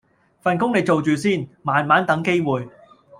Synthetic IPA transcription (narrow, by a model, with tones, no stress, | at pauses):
fa˨nkʊ˥ŋle˨˧j̚t͡so˨wt͡ʃyː˨siː˥nmaː˨nmaː˨˥nt̪ɐ˨˥ŋke˥jwuː˨j